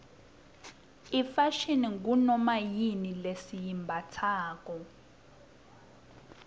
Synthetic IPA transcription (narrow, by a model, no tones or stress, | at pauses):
ifaʃiniŋɡunɔmajinilesijimbʱatʰaːkɔ